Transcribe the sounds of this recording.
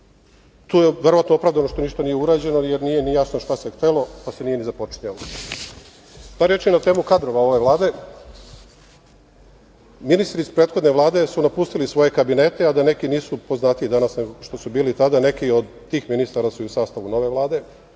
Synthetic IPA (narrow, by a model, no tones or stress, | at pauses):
t̪uːjeʋe̞ɾoʋat̪noo̞pɾaʋd̪ano̞ʃt̪o̞niʃt̪anije̞uɾaːd͡ʑe̞no̞jeɾnije̞nijasnoʃt̪asext̪elˠo̞pasenijenizapo̞t͡ʃɲalo | baɾjet͡ʃinat̪e̞ːmukad̪ɾo̞ʋao̞ʋe̞ʋlˠaːd̪e̞ | minist̪ɾispɾe̞ːt̪xo̞d̪ne̞ʋlˠaːd̪e̞sunapust̪ilisʋo̞je̞kabine̞ːt̪e̞ad̪ane̞kiniːsupo̞znaːt̪iid̪anasneɡʃt̪o̞subiːlit̪ad̪ane̞kio̞d̪ | t̪ːiːxminist̪aɾasuiusaːst̪aʋuno̞ʋe̞ʋlˠaːd̪e̞